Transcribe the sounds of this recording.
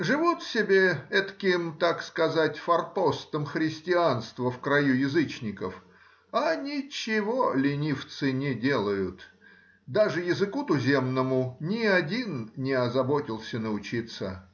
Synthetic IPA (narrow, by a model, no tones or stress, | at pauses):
ʐɨvut̪sʲɪbʲeɛt̪kʲɪmt̪akskɐzatʲfɐrt̪ost̪əmxɾʲɪsʲtʲɪanst̪vəfkɾɐjujɪzɨt͡ɕnʲɪkəf | anʲɪt͡ɕːɪvolʲɪnʲift̪sɨnʲɪdʲe̞lˠəjʊt̪ | d̪aʐɨjɪzɨkut̪ʊzʲe̞mnəmʊnʲɪɐdʲinnʲɪɐzɐbotʲɪlˠsʲənəʊt͡ɕit̪sə